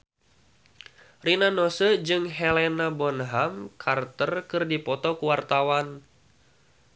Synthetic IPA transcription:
rinanɔsəd͡ʒɨŋɦɛlɛnabɔnɦamkʰart̪ərkɨrdipɔt̪ɔkuwart̪awan

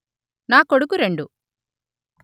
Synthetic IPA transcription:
naːkoɽukːuɾeɳɖu

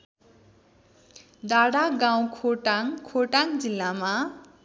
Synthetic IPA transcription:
d̪aɽaɡaw̃kʰoʈaŋkʰoʈaŋd͡zilːama

